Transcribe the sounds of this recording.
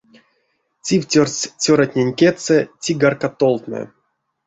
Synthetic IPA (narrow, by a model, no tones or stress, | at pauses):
tʲiwtʲorsʲt͡sʲoɾatʲnʲenʲkʲet̪sɛtʲiɡarkat̪olˠt̪nə̰